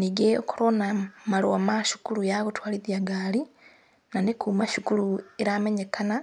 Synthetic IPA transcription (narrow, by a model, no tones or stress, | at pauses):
niɡeokoɾonamalowamaʃu̥kuɾujaɣotwaːliðjaɡaːli | nanekuːmaʃukulueɾameɲekana